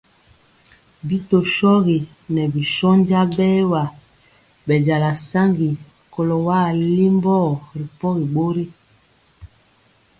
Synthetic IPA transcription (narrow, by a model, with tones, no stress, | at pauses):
bi˦to˨ʃɔ˦ɣi˨ | nɛ˨bi˨ʃɔ˦n˦d͡ʒa˦bɛ˦wa˨ | bɛ˨ɟa˨la˨sa˦ŋɡi˨ | kɔ˨lɔ˨wa˦˨li˦mbɔ˦˨ɾi˨pɔ˦ɣi˨ɓo˦ɾi˦